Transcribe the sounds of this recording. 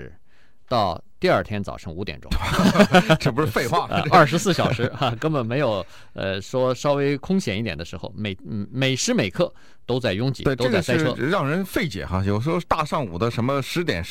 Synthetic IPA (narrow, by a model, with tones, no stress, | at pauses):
t̪ɑ˥˧ʊt̪i˥˧ɐ˞˥˩t̪ʰjɛ˥nt͡sɑ̰˨˩ʊʂɤ˧˥ŋu˧˥t̪jɛ̰˨˩nʈ͡ʂʊ̰˥ŋ | ʈ͡ʂp̬ʂɻ̩˥˧fe˥˧ɪxwa˥˧˩ə̰˧ɐ˞˥˩ʂɻ̩˧˥sɹ̩˥˩ɕjɑ˨˩ʊʂɻ̩˧˥a˧kə˥nbə˨˩nme˧˥ɪjo˨˩ʊ | ə̰˧ʂwɔ˥ʂɑ˥ʊwe˥ɪkʰʊ˥ŋɕjɛ˨˩ni˥˩jɛ˨˩nd̪ə˦ʂɻ̩˧˥xo̰˧˩ʊme˩ɪ˥˩me˨˩ɪʂɻ̩˧˥me˨˩ɪkʰɤ˥˩ | t̪o˥ʊt͡sa˥˩ɪjʊ˥ŋt͡ɕḭ˨˥t̪we˥˩˥ʈ͡ʂɤʊ˥˩t͡sa˥˩˧sa˥ɪʈ͡ʂʰɤ˥˧ɻɑ˥˩ŋɻə˧˥nfe˥˩ɪt͡ɕjɛ̰˨˩xa˥jo˨˩ʊʂwt̪a˥˧ʂɑ˥˩ŋu˨˩d̪ə˦ʂə˧˥nmə˧ʂɻ̩˧˥t̪jɛ̰˨˩n